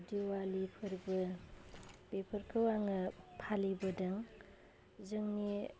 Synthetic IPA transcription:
diwalipʰɯɾibɐ | bepʰɐɾkʰɯwaŋɐpʰalibɐdɐŋ | zɐŋni

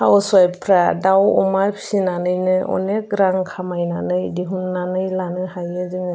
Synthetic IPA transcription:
hawswajpʰɾadawɔ̰majpʰi̥sinanɯjnɯʔɔ̰nek̚ɡɾaŋkʰamajnanɯjdiɦunːanɯjlanɯhajɯziŋ

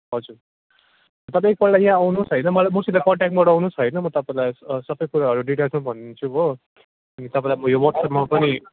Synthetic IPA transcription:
ɦʌd͡zur | t̪ʌpãek̚pʌllajjãʌwnũsɦʌjnʌmʌlajmusilakʌɳʈakʈ̚mʌɽawnũsɦʌjnʌmʌt̪ʌpãĩlajsʌbʌjkuɾaɦʌɾuɖiʈʌlsmabʱʌnːt͡sʰuɦo | ʌnit̪ʌpãĩlajmʌjowʌʈsʌpmapʌni

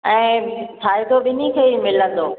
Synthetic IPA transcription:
ɛ̃ːtʰaːɦit̪ʰoɓɪnĩkʰeːimɪlə̃nd̪oː

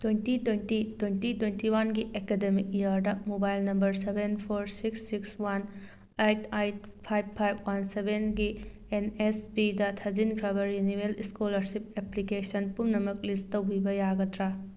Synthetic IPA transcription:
twejntitwentitwentitwentiwanɡiʔekedemikijaɾdɐmobajlnɐmbɐɾsebʱenpʰoɾsiksːikswan | ejtajt̚ | pʰajb̚pʰajbwansebenɡi | enesbidɐtʰɐd͡ʒinkʰɾɐβɐɾjuniweliskolɐɾsip̚eplikesɐnpunnɐmɐklistɐwbibɐjaɡɐtɾa

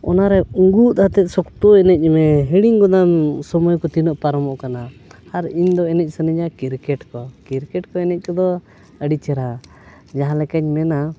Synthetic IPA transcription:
ɔ̰naɾɛuŋɡut̪hat̪ɛt̪̚sɔkt̪uɛnɛc̚ˀmɛɦiɽiŋɡɔd̪ansɔmɔjkɔt̪inɔʔpaɾɔmɔʔkanaːɾiɲd̪ɔɛnɛc̚ˀsəniɲakiɾkɛʈkɔkiɾkɛʈkɔɛnɛc̚kɔd̪ɔ | əɖit͡ʃɛɾa | d͡ʒaɦãlɛkaɲmɛna

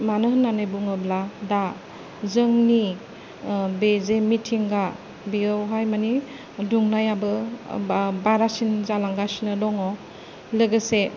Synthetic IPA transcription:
manɯɦɯnːanajbuŋɯblada | zɯŋni | bezemitʰiŋɡa | biɯwɦajmani | duŋnajabɯ | baɾasinzalaŋɡasinɯdɔŋɔ | lɯɡɯse

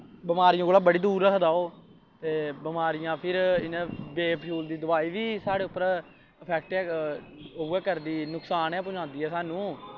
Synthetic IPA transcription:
bɪmaːɾɪjãːkoːlaːbəɽiːd̪uːɾːəkʰd̪aːoː | t̪eːbɪmaːɾɪjãːpʰɪɾɪnɛ̃ːbeːppʰjuːld̪iːd̪ʊbaːiːʋiːsaːɽeːʊpːəɾ | əpʰɛːk̚ʈɛː | ouːɛːkəɾd̪iːnʊksaːnɛːpʊd͡ʒãːnd̪iːɦɛːsaːnũː

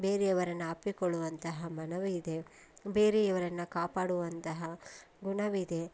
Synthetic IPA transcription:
be̞ːɾeɐʋɐɾɐnːuɐpːikɔɭːuʋɐnt̪ɐɦɐmɐnɐʋuid̪e̞ | be̞ːɾeɐʋɐɾɐnːukaːpaːɽuʋɐnt̪ɐɦɐ | ɡuɳɐʋid̪e̞

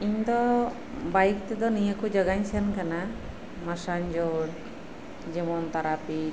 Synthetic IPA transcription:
iɲd̪ɔ | bajk̚t̪ɛd̪ɔnijəkɔd͡ʒaɡaɲsankana | masaɲd͡ʒoɽ | d͡ʒɛmɔnt̪aɾapi

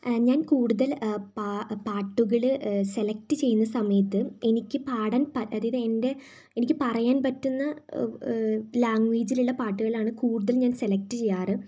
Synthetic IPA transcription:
ɲaːnkuːɽuðɐlpapaːʈːuɣɐɭɨse̞lɐk̚tɨt͡ɕe̞jːunːɐsɐmɐjɐt̪ːɨe̞nikʲːɨpaːɽaːnpɐɐðijðɨende̞ | enikʲːɨpɐrɐjaːnpɐtːunːɐ | laːŋɡʋeːd͡ʑiluɭːɐpaːʈːuɣɐɭaːɳɨkuːɽuðɐlɲaːnselɐk̚tɨt͡ɕe̞jːaːrɨ

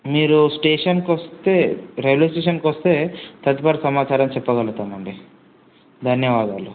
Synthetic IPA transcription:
miːɾusʈeːʂɐnkʋɐst̪e̞ːɾeʋleːsʈeːʂɐnkʋɐst̪e̞ːt̪ɐt̪ipaːɾɐsɐmaːt͡ʃaːɾɐmt͡ʃɛpːɐɡɐlut̪aːmɐɳɖi | d̪ʱɐnjɐʋaːd̪aːlu

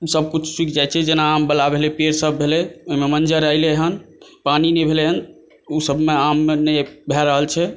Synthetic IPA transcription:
səb̚ʱkut͡ʃʰswikd͡ʒajt͡ʃʰɛd͡ʒenaːmbəlabʱelepeɾsəbːʱelɛoimemənd͡ʒəɾəjleɦən | paninɛbʱeleɦən | usəbmeamːenɛbʱɛɾəɦəlt͡ʃʰɛ

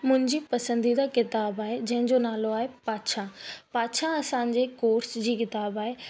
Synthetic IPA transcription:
mʊ̃ɦɪ̃ɲd͡ʑipɐsə̃nd̪id̪akɪt̪aːbaːɦed͡ʑɐ̃ɦɪ̃ɲd͡ʑonaːloaːɦepaːtʃʰãpaːtʃʰãɐsãːɲd͡ʑekoːɾsd͡ʑiːkɪt̪aːbaːɦe

